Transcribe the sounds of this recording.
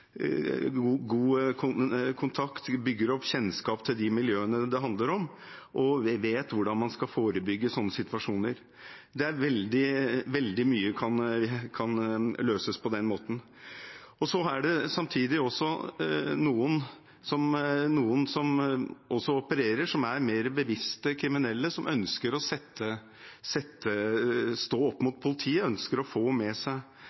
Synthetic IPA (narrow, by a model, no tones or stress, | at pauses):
ɡuːkʰʊkʰʊnt̪ʰɑkt̪bʏɡːəɾɔpːɕɛnskɑːpt̪ʰɪld̪ɪmɪljøːənəd̪ɛɦɑnd̪ləɾɔm | ʔɔʋeːt̪ʋʊɖɑnmɑnskɑfoːɾəbʏɡːəsɔnːəsɪt̪ʋɑʂuːnəɾ | d̪ɛæɾʋɛld̪ɪʋɛld̪ɪmyːəkʰɑnkʰɑnløːsəspʰɔd̪ɛnmoːt̪n̩ | ɔsɔæɖɛsɑmt̪ʰiːd̪ɪɔsːɔnuːən | sɔmnuːənsɔmʔɔsːɔɔpəɾeːɾəʂɔmæɾmeːɾbəʋɪst̪əkʰɾɪmɪnɛlːəsɔmʔœnskəɾɔsɛt̪ːə | sɛt̪ːəst̪oːɔpːmʊt̪̚pʰʊlɪt̪ʰiːəœnskəɾɔfoːmɛsæɪ